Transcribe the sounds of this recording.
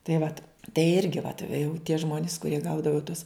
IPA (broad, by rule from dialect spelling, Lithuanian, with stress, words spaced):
tɐɪ ˈʋɐt tɐɪ ˈɪrʲɡʲɪ ʋɐt ʋʲɛ jɛʊ tʲiɛ ˈʒmoːnʲɪs kʊˈrʲiɛ ˈɡɐʊdɐʋoː tʊs